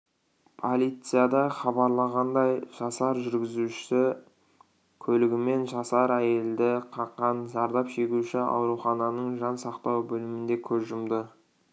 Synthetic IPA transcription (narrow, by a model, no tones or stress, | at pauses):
pʰolˠijt̪sɨjad̪ɑχɑbɑɾlˠɑʁɑnd̪ɑjʒ̥ɑsɑɾʒʏɾɡʲɪzuɪ | kʲʰɵlɪɡʲɪme̞nʒɑsɑɾæje̞ld̪ɪqʰɑqːɑnzɑɾd̪ɑpʃe̞kʲuʃɪɑ̰wɾuχɑnɑnəɴʒɑnsɑqt̪ɑwbɵlɪmɪnd̪e̞kʲʰɵzʒʊmd̪ə